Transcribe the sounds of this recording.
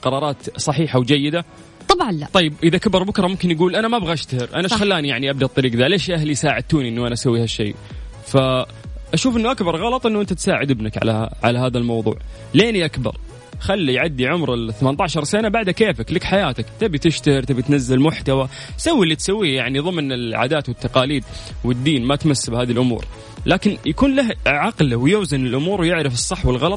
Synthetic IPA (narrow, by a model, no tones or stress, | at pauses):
qɑɾˤɑːɾˤɑːt̪sˤɑħiːħawd͡ʒajːɪd̪a | t̪ˤɑbʕɑnlat̪ˤɑjːɪbʔɪðakabɑɾˤbʊkɾˤɑmʊmkɪnjaɡuːlʔanamabɣaʔaʃt̪ahɪɾʔanaxalːaːnijaʕniʔab̚d̪aʔt̪ˤːɑɾiːɡðaleʃjahlijsaːʕɪd̪̚t̪uːniʔɪnːuʔanasawːihaʃːḛː | fa | ʔaʃuːfʔɪnːuʔakbɑɾˤɣɑlɑt̪ˤʔɪnːʊʔɪnt̪at̪saːʕɪd̪ɪbnakʕa̰laʕa̰lahaːðalmɑwðˤṵːʕ | leːniʔakbɑ̰ɾˤ | xalːijʕad̪ːiʕʊmɾɪθamant̪aːʕʃɑɾˤsanabaʕd̪akeːfaklakħajaːt̪akt̪abit̪ɪʃt̪ahɪɾt̪abit̪nazːalmʊħt̪awa | sawːilːit̪sawːiːjaʕniðˤɨmːnɪlʕa̰ːd̪aːt̪wɪt̪ːɑqɑːliːd̪wɪd̪ːiːnmat̪masːabhaːðilʔʊmṵːɾ | lʔaːkɪnjakuːnlaɦʕɑqlwɪjʊːzɪnɪlʔʊmuːɾwjɪʕɾɪfɨsˤːɑħwɪlɣɑlɑt̪ˤ